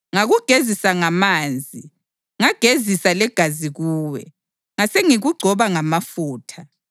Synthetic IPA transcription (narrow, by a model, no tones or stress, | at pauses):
ŋaɣuɡ̥ʱezisaŋamaːnd͡zʱi | ŋaɡ̥ʱezisalɛɡ̥ʱaziɣuːwɛ̰ | ŋaseŋiɣuɡ͡ǀʱɔβaŋamafuːtʰa